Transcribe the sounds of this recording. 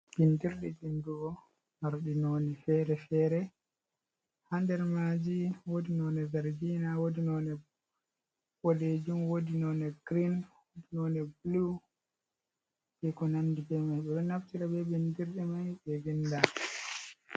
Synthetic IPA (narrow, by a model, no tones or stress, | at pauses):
b̥indiɾɗɛdinduɡɔ | maɾɗinoːnɛfɛɾɛfɛɾɛ | handɛɾmad͡ʒiwodinɔnɛvɛɾɡinawodinɔnɛ | pɔled͡ʒumwodinɔnɛɡ̥ɾinwodinɔnɛblu | ɛkɔnandiɡɛmajɓɛɗɔnaftiɾabɛbindiɾɗɛmajɓɛvinda